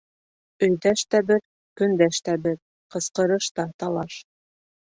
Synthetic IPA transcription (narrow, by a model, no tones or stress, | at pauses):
ɵ̆jd̪æʃt̪æbɘɾ | kɵ̆nd̪æʃt̪æbɘɾ | qɤ̆sqɤ̆ɾɤʃt̪ɑt̪ɑlˠɑʃ